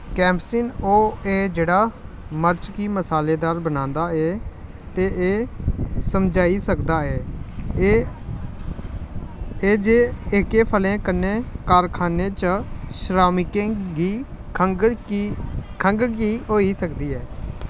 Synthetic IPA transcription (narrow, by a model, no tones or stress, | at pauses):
kɛ̃ːmpsiːnoːeːd͡ʒeːɽaː | məɾt͡ʃkiːməsaːleːd̪aːɾbənãːnd̪aːɛː | t̪eːʔeːsəmd͡ʒaːiːsəkd̪aːɛː | eːd͡ʒeːɪkeːpʰəlẽːkənẽːkaːɾkʰaːnẽːt͡ʃəʃɾaːmɪkẽɡiː | kʰəŋɡkiːɦoːiːsəkd̪iːɛː